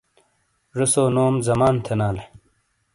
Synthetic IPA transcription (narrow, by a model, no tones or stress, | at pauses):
ɾusoːnoːmzɐmaːnt̪ʰenaːle